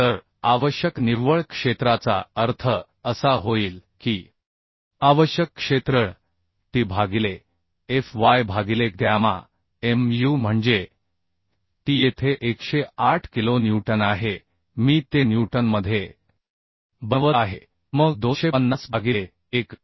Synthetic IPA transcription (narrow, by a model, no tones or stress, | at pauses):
t̪əɾ | aʋəɕjəkniʋʋəɭkʂet̪ɾat͡sa̰əɾt̪ʰə | əsaɦoiːlkiː | aʋəɕjəkːʂet̪ɾə | ʈiːbʱaɡile | efʋajbʱaɡilek̚d̪jama̰ | emjum̤əɳd͡ze | ʈ̪iːjet̪ʰeʔekɕeaʈʰkilonjuʈənaɦe | miːt̪enjuʈənməd̪ʱːje | bəʋəaɦe | məɡd̪oɕeənːasbʱaɡie | ek